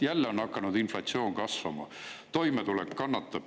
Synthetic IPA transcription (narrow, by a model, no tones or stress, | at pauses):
jælːeonːɑkːˑɑnud̪inflɑt̪sio̞ːŋkɑsvɑmɑ̰ | t̪o̞jmet̪ulekkɑnːɑt̪ːɑ̥